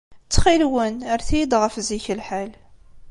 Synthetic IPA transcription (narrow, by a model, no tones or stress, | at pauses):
t͡sːχilwənəɾθid̪ʁəfziçəlħal